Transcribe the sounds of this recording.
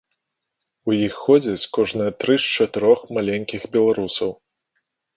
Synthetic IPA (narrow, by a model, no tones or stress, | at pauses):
ujixːɔd͡zʲɐt͡sʲkɔʐnɨt̪ɾɨst͡ʂɐt̪ɨɾɔxmalʲenʲkʲixbʲɛlˠaɾusɐw